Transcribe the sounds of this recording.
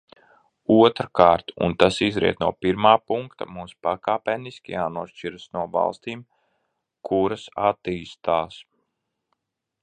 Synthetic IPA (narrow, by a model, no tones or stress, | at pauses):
uɔt̪ɾakaːɾt̪ṵnt̪asizɾḭɛt̪nuɔpiɾmaːpuŋkt̪a̰muːspakaːpʲɛniskʲijaːnuɔʃt͡ʃiɾasnuɔva̰lˠst̪iːm | kʰuɾasat̪iːst̪aːs